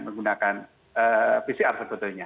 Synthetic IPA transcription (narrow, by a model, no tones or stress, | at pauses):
məŋɡunakan | əpisiarsəbət̪ʊlɲa